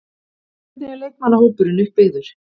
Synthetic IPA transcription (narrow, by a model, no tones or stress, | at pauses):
nɛɣaɾleːjk̪manːahowpʏɾʏnʏhk̚peːðʏɾ̥